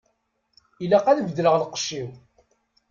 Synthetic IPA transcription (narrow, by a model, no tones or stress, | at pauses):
ilæqæðvd̪ləʁlqə̥ʃːiw